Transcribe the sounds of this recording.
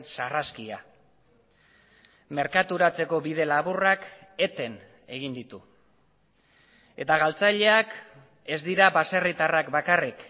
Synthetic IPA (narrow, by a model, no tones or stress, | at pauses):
nsaraskia | me̞ɾkat̪uɾat͡se̞ko̞βið̞e̞laβurake̞t̪e̞n | e̞ɣ̞ind̪it̪u | e̞t̪aɣ̞alt͡saʎe̞ak | e̞zd̪iɾaβase̞rit̪arakbakarik